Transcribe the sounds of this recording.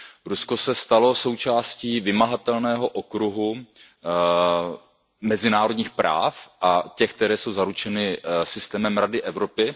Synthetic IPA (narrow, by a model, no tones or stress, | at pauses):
ɾusko̞sɛst̪alo̞so̞wt͡ʃaːsciːvɪmaɦat̪ɛlnɛːɦo̞ʔo̞kɾuɦu | mɛzɪnaːɾodɲiːxpɾa̰ːfʔacɛxk̚t̪ɛɾɛːsowzaɾut͡ʃɛnɪsɪst̪ɛːmɛmɾadɪʔɛvɾo̞pɪ